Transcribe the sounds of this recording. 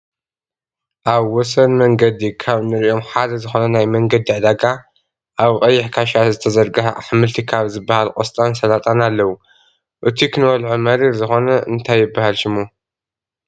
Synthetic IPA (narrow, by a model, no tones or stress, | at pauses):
ʔaβwɔsɐnmɐŋɡɐd̪ikʰaβnɨɾio̞mħad̪ɐzɨxo̞nɐnajmɐŋɡɐd̪iʕd̪aɡa | ʔaβqʼɐjːɪħkʰaʃazɨt̪ʰɐzɐɾɡɨħaħɨmɨlt̪ʰikʰaβzɨbːahalkʼost̪ʼansɐlat̪ʼanalːɐwu | ʔɨt̪ʰikʰɨnwɐlʕumɐɾifzɨxo̞nɐʔɨ̰nt̪ʰajːɪbːahalʃɪmu